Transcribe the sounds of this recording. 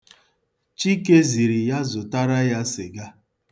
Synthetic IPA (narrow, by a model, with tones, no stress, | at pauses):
t͡ʃi˦ke˦zi˨ɾi˨ja˦zʊ˨ta˦ɾa˦ja˦sɪ˨ɡa˦